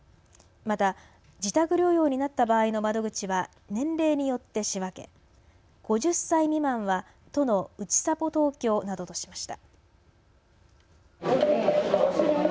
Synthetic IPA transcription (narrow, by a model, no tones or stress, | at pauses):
mat̪a | d͡ʑit̪akɯ̟ɾʲjo̞ːjo̞ːɲ̟inat̪ːabaːino̞mad̪o̞ɡɯ̟t͡ɕiβa | nẽ̞nɾe̞ːɲ̟ijo̞t̪ːe̞ɕiβake̞̰ | ɡ̥o̞ʑɨsːaimʲimãɰ̃βa | t̪o̞no̞ɯ̟t͡ɕi̥sapo̞t̪o̞ːkʲo̞ːnad̪o̞t̪o̞ɕi̥maɕi̥t̪a